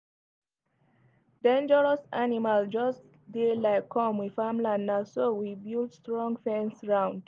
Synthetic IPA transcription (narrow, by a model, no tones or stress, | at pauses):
dẽnd͡ʒəɹəsanimald͡ʒʌs | delaɪkʰːɔ̃mwifamlãnːasowibildstɹɔ̃ŋfɛ̃nsɹãʊ̃nd̥